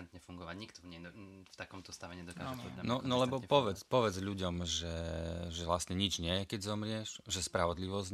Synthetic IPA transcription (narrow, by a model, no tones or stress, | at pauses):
ɛnt̪ɲɛfuŋɡɔʋaɟɲikt̪ɔɲɛft̪akɔmt̪ɔst̪aʋɛɲɛd̪ɔkaːʒɛpɔanɔnɔlɛbɔpɔʋɛt͡spɔʋɛd͡zʎuɟɔmʒɛʒɛʋlast̪ɲɛɲid͡ʒɲɪɛjɛkɛɟzɔmɾɪɛʃʒɛspɾaʋɔd̪liʋɔz